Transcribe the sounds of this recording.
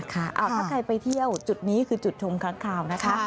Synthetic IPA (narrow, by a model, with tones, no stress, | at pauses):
kʰa˥˩ʔa̰ː˧˩wt̪ʰaː˥˩kʰɾa˧jpa˧jt̪ʰi˥˩əwt͡ɕu˨˩t̪̚niː˦˥kʰɯː˧t͡ɕu˨˩t̪̚t͡ɕʰo˧mkʰa˦˥ŋkʰaː˧˨˩wna˦˥kʰa˦˥